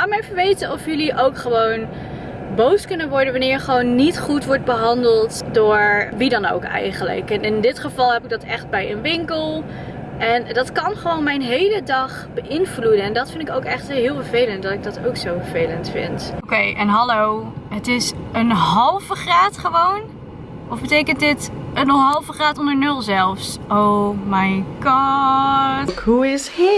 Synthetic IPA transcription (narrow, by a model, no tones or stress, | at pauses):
aːmɛfəʋejtənɔfjɵliʔowkχəʋown | bowskɵnənʋɔɹdənʋɑnɪːɹχəʋownːitχutʋɔɹd̚bəɦɑndəlˠtdoːɹʋidɑno̰wkɛ̰jχələ̰kɛnɪndɪtχəvɑlˠɦɛpɪɡ̚dɑtɛχt̚bɛjənʋɪŋkəlˠ | ʔɛndɑtkɑnχəʋownmɛjnɦejlədɑχ | bəʔɪnvludənɛndɑtfɪndɪkowkɛχtɦɪːlˠvəɹvejləntdɑtɪɡ̚dɔtowksowvəɹvejləntfɪ̰ntokejʔɛnɦɑlowɦətɪsənɦɑlˠvəχraːtχəʋown | ʔɔfbətejkəntdɪtənəɦɑlˠvəχraːtɔndəɹnɵlˠzɛlˠfsʔowmajɡ̥ɑ | ɦuɪshi